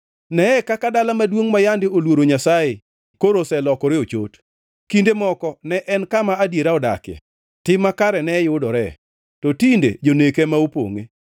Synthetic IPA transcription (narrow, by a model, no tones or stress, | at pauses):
nɛɛkakadalamadwoŋmajandɪolwoɾoɲasaɪ | koɾosɛlɔkɔɾeot͡ʃo̰t | kindemɔkɔnɛʔɛnkamaadjeɾaɔda̰kɛ̰ | tɪmakaɾɛnɛjʊdɔɾɛ | tɔtindḛd͡ʒonekɛmaupo̰ŋḛ